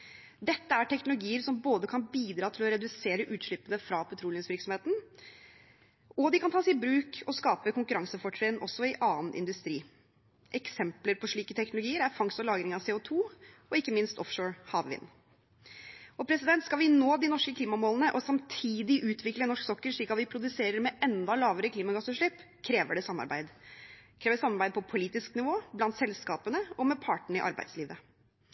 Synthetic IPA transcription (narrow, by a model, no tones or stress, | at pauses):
d̪ɛt̪ːəæʈʰɛknʊlʊɡiːəɾsɔmboːd̪əkʰɑnbiːd̪ɾɑːt̪ʰɪlɔɾɛd̪ʉseːɾəʔʉːt̪ʂɭɪpːənəfɾɑpʰɔt̪ʰɾuːlɪsʋɪɾksɔmheːt̪n̩ | ɔd̪ɪkʰɑnt̪ʰɑːsɛɪbɾʉːkʰɔskɑːpəkʊŋkʉɾɑŋsəfɔʈːɾɛnʔɔsːɔɪʔɑːənɪ̰nd̪ʉst̪ɾiː | ʔɛksɛmpləɾpʰɔʂɭiːkət̪ʰɛknʊlʊɡiːəɾæɾfɑŋst̪ɔlɑːɡɾɪŋɑʋseːʊt̪ʰuːɔɪkːəmɪnst̪ɔfʂoːɹhɑːʋʋɪ̰nː | ɔpʰɾɛsɪd̪ɛnt̪skɑlʋɪnoːd̪ɪnɔʂkəkʰliːmɑmoːlnəʔɔsɑmt̪ʰiːd̪ɪʔʉːt̪ʰʋɪklənɔʂksɔkːəɾʂɭiːkɑt̪ʋɪpʰɾʊd̪ʉseːɾəɾmɛʔɛnd̪ɑlɑːʋəɾəkʰliːmɑɡɑsʉːʂɭɪpː | kʰɾeːʋəɖɛsɑmːɑ̰ɾbæ̰ɪd̪kʰɾeːʋəɖsɑmːɑɾbæɪd̪̚pʰɔpʰʊliːt̪ɪsknɪʋoːblɑnt̪sɛlskɑːpənəɔmɛpʰɑːʈəɳ̩ɪ̰ʔɑ̰ɾbæ̰ɪd̪sliːʋə